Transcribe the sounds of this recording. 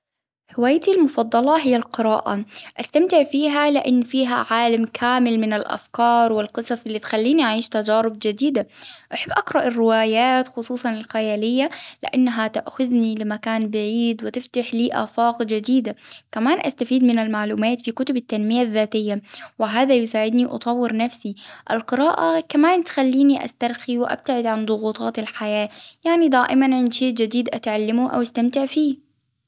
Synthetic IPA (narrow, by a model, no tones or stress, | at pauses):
hɪwaːjt̪ilmʊfɑd̪ˤːɑlɑɦɪjːalqɨɾa̰ːʔa̰ʔast̪amt̪ɪʕfiːɦalɪʔanːfiːɦa̰ʕaːlamkʰaːmɪlmɪnalʔa̰fkɑːɾˤwɪlqɨsˤɑsˤʔɪlːiːt̪xalːiːniʔaʕiːʃt̪ad͡ʒaːɾɪb̚d͡ʒɪd̪iːd̪aʔaħabːʔakɾˤɑʔɪrːɪwaːjaːt̪xʊsˤuːsˤɑnɪlxajaːlɪjːalɪ̰ʔanːɦat̪aʔxʊðnilɪmakaːnbɪʕiːd̪wɪt̪ɪft̪aħliːʔa̰ːfaːqd͡ʒɪd̪iːd̪akamaːnʔa̰st̪afiːd̪mɪnalmaʕluːmaːt̪fikʊt̪ʊbat̪ːanmɪjaðːaːt̪ɪjːawɪɦaːðajʊsaːʕɪd̪niʔɑ̰t̪ˤɑwːɪɾnafsiʔalqɨɾaːʔakamaːnt̪xalːiːniʔa̰st̪aɾˤxiwɪʔa̰b̥̚t̪aʕɪd̪ʕand̪ˤʊɣuːt̪ˤʰɑːt̪ɪlħajaːjaʕnid̪aːʔɪmanʕɪnd̪ʃeːʔd͡ʒad̪iːd̪ʔat̪ʕalːɪmuʔa̰wʔast̪amt̪ɪʕfiː